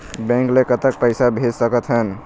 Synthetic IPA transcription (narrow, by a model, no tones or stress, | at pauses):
bɛ̃ŋklekət̪ək̚pəɪsabʱed͡ʒsəkət̪ɦən